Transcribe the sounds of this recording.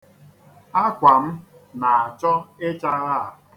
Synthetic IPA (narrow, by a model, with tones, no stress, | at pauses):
a˦kʷa˨m̩˦na˨a˨t͡ʃɔ˦e˦t͡ʃa˦ɾa˦˨a˨